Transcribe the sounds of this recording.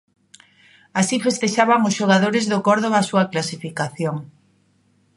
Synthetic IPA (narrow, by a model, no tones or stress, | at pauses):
asifest̪eʃaβaŋʊsʃoɣ̞aðoɾezðokoɾðoβasuaklasifikaθjoŋ